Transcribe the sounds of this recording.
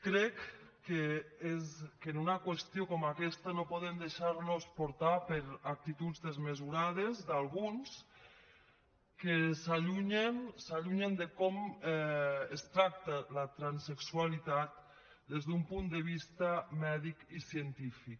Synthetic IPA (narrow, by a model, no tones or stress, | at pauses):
kɾɛkː | eezkenunakwest̪jokɔmakɛst̪anopɔðemd̪eʃaɾnospoɾt̪apeɾak̚t̪it̪ud͡zðezmezuɾað̞ezd̪alˠɣ̞uns | kesaʎuɲensaʎuɲend̪ekɔmɛest̪ɾak̚t̪alat̪ɾanseksualit̪at̪̚ | d̪ezðumpund̪eβist̪amɛðikisient̪ifik